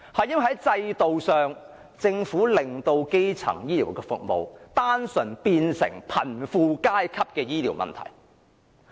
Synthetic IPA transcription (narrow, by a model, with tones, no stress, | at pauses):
hɐ˨jɪ˥ŋ˨˩ɦɐ˨˥jt͡sɐ˧jt̪o˨wsœː˨ŋ | t͡sɪ˧ŋfuː˨˥lɪ˨ŋt̪o˧wke˥jt͡sʰɐ̰˨˩ŋjiː˥liː˨˩wkɛː˧fʊ̰˨k̚mo̰˨wt̪aː˥nsɵ˨˩npiː˧nsɪ̰˨˩ŋpʰɐ̰˨˩nfuː˨˧kaː˥jkʰɐ˥p̚kɛː˧jiː˥liː˨˩wmɐ̰˨nt̪ʰɐ̰˨˩j